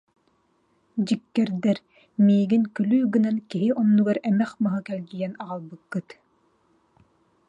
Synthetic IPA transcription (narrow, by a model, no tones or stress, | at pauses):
d͡ʑikːɛɾd̪ɛɾ | miːɡinkylyːɡɯnɛnkiɦiʔɔnːuɡaɾɛmɛχmaɦɯkɛlɡijɛnaʁalˠbɯkːɯt̪